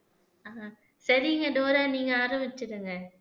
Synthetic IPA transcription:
aː | sɐɾɪŋɡɐdoːɾaːniːŋɡɐaːɾɐmbɪt͡ʃːɯɾɯŋɡɐ

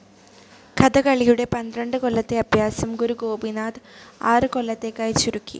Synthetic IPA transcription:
kʰɐd̪ɐkɐɭijuɽe̞pɐnd̪rɐɳɖɨko̞ɭːɐt̪ːe̞ɐbʱjaːsɐmɡuɾuɡo̞ːbinaːd̪aːrɨko̞lːɐt̪ːe̞kːaːjit͡ɕːuɾukːḭ

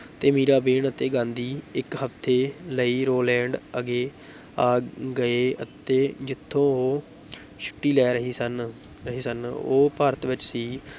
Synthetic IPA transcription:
t̪eːmiːɾaːbeːɳət̪eːɡãːnd̪iːɪkɦəpt̪ʰeːləiːɾoːlɛ̃ːɳɖəɡeː | aːɡəeːət̪eːd͡ʒɪt̪ʰːõːoː | ʃʰʊ̥ʈːiːlɛːɾəɦiːsən | ɾəɦiːsəno̰ːpaːɾət̪ʋɪt͡ʃsiː

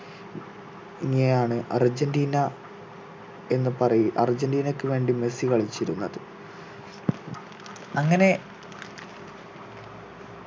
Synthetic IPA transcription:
iŋːinejaːɳɨʔɐrd͡ʑendiːnɐ | e̞nːɨpɐrɐjiʔɐ̰rd͡ʑendiːnɐkːɨʋe̞ːɳɖime̞sikɐɭit͡ɕːiɾunːɐðɨ | ɐŋːɐne̞

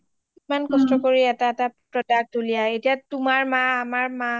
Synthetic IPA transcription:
imankɔstɔkoɹiɛtaɛtapɹɔdak̚tolijaetijatʊmaɹmaːmaɹma

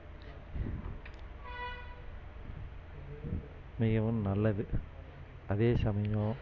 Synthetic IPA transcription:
mɪɣɐʋɯmnɐlːɐðɯ | ɐðeːsɐmɐjõː

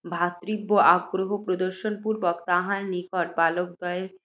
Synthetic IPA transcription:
bʱat̪ɾibːoʔaɡɾoɦopɾod̪oɾʃonpuɾbɔkt̪aɦanːikɔʈ̚balok̚d̪ɔeɾ

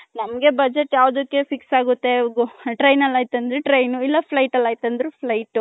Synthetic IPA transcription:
nɐmɡe̞bɐd͡ʒeʈːjaːʋd̪ɐkːefiksaːɡut̪ːe̞ɡʈɾɐjnɐlːaːjt̪ɐnd̪ɾeʈɾɐjnuilːɐpʰlɐjʈɐlːaːjt̪ɐnd̪ɾupʰlɐjʈːu

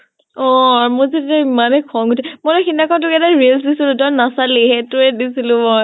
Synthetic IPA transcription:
ɔ̃aɹmozetetaimanɛkʰɔmɡutʰɛmojlɔxinakɔt̬ʊkɛdaɹils̬disilʊ̃dɔnasaliɦɛtʊɛdisilʊ̃mɔj

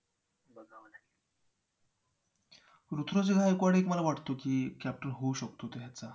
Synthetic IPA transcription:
ɾut̪ʰɾot͡seɡʱaekoaɽekməlaʋaʈt̪okiːkæp̚ʈənɦouɕək̚t̪ot̪eɦjat͡sa

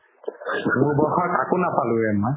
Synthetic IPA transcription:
mubɔxɔka̰konapalʊɛma

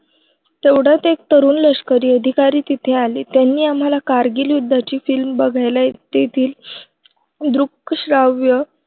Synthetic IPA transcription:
t̪eʋɽ̤at̪ek̚t̪əɾuːnləɕkəɾiːəd̪ʱikaɾiːt̪it̪ʰẽalḭːt̪janːiːam̤alakaɾɡiːljud̪ʱːat͡ɕiːfilmbəɡʱajlat̪et̪ʰiːl | d̪ɾukːɕɾaʋjə

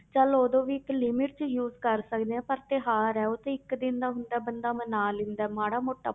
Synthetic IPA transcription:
t͡ʃəloːd̪õːʋiːɪklɪmɪʈ̚t͡ʃjuːzkəɾsəkd̪eːɛ̃ːpəɾt̪eɦaːɾɛːoːt̪ẽːɪkd̪ɪnd̪aːɦʊnd̪aːbənd̪aːmənaːlɪnd̪aːmaːɽaːmoːʈːaː

